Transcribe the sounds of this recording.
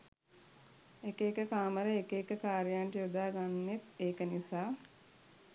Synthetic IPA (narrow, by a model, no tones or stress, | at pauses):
ekeːkəkaːməɾəekeːkəkaːɾijaɳʈijud̪aːɡanːet̪eːkənisaː